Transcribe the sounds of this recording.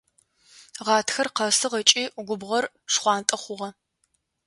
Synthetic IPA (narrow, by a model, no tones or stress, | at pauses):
ʁɑːtʰxɐrqɐsɨʁɐt͡ʃʼiːɡʷʊbʁɐr | ʂχʷɑːntʼɐχʷʊʁɐ